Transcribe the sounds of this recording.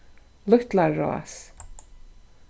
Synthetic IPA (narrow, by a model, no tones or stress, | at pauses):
lʊht̪laːɔ̰a̰s